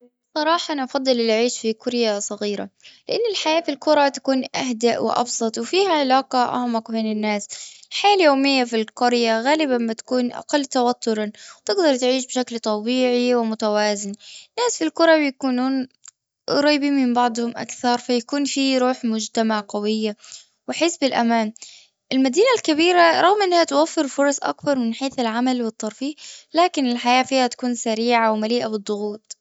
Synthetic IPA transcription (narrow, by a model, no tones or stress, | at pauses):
sˤɑɾˤɑːħɑʔnʔɑfɑd̪ˤːɨlɪlʔʕiːʃfikʊɾjasˤɑɣiːɾa̰lɪʔanːɪlħajaːfilkʊɾˤɑt̪ḁkuːnʔaɦd̪aʔwɪ̰ʔɑ̰bsˤɑt̪ˤwɪfiːhaʕɪlaːqɑʔa̰hmakbeːnɪnːaːsɪlħajaːljoːmɪjːafilqʊɾjaɣaːlɪbamːat̪ḁkuːnʔa̰qɑlːt̪awat̪ʰːʊɾɑwt̪ɪɡd̪ɑɾˤt̪ʕiːʃbʃaklt̪ˤɑbiːʕiwɪmʊt̪awaːzɪnnːaːsfilkʊɾˤɑbjakuːnuːn | ɾˤɑːbimɪmbɑʕd̪ˤhʊmʔa̰kθɑɾˤfajakuːnfiɾuːħmʊd͡ʒt̪amaʕqawɪjːa | wɪħɪsbɪlʔa̰maːn | ʔɪlmad̪iːnalkabiːɾaɾˤɑɣmʔɪnːhat̪wafːɪɾfʊɾˤɑsˤʔa̰kbɑɾˤmɪnħeːθɪlʕamalwɨt̪ˤːɑɾˤfiːʔlaːkɪnɪlħajaːfiːhat̪ḁkuːnsaɾiːʕawmaliːʔabɨd̪ˤːʊɣuːt̪̚ˤ